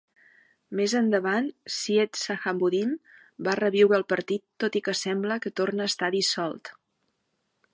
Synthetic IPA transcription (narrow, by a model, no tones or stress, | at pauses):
mezənd̪əβansiet̪səxambuðim | barəβiwɾəːlˠpəɾt̪it̪ːot̪ikəsɛmbləkət̪ornəːst̪aðisɔlˠt̪